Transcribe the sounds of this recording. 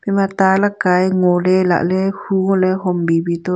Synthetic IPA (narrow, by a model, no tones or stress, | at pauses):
pimãt̪alakajŋõlela̰ʔlehuŋõleɦombibit̪o